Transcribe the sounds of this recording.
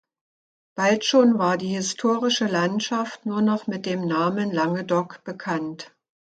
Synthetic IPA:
b̥altʃoːnvaːɐdiːhɪstʰoːʁɪʃəlantʃaftnuːɐnɔχmɪt̚d̥eːmnaːmənlaŋədɔkb̥əkʰant

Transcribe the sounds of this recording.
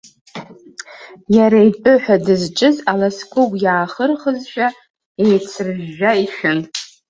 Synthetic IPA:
jaɾaipʼʊħʷᶣadɨzt͡ʃʼɨzalaskʷʊɡʷʼjaːχərχəzʃᶣa | ejt͡sʰɨrʒːaiʃᶣʊn

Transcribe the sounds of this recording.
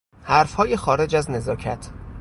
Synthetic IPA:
hæɾfhɒːjexɒːɾe̞d͡ʒæzne̞zɒːcʰæt̪ʰ

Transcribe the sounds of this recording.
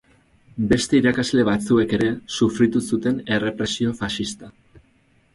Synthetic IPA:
be̞st̪e̞iɾakazle̞β̞at͡sue̞ke̞ɾe̞sufɾit̪usut̪e̞ne̞re̞pɾe̞sio̞faʃist̪a

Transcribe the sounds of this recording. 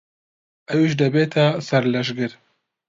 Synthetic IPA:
ʔɛwiʃd̪ɐbeːt̪ʰasɐɾlɐʒɡɨɾ

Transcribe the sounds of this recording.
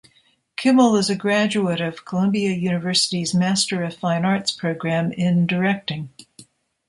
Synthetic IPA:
kʰɪ̃ml̩ˠɪzɨɡɹæd͡ʒuɨɾʌv̥kʰəlʌ̃mbiɨjʉnɨvɜ˞sɨɾizmæstə˞ʌ̥fãɪ̃nɑɹtspʰɹ̥oʊɡɹæ̃mɪ̃ndə˞ɛk̚tɪ̃ŋ

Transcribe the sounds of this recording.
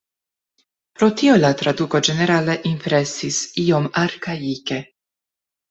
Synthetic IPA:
pɾot̪iolat̪ɾad̪ukod͡ʒeneɾaːle̞ʔimpɾesisiomaɾkaike

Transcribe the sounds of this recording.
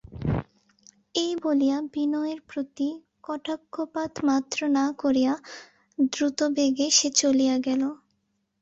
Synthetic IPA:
ejbolijabinɔeɾpɾot̪i | kɔʈʰakːopat̪mat̪ːɾonakoɾija | d̪ɾut̪obeɡeʃet͡ɕolijaɡɛlo

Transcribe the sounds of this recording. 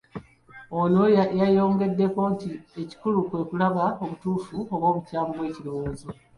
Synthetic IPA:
o̞nojajo̞ːŋɡe̞dːe̞ko̞ntie̞ci̥kulukwe̞ːkulaβaoβutuːfuoβwo̞ːβucaːmbwe̞ːciɾo̞wo̞ːzo̞

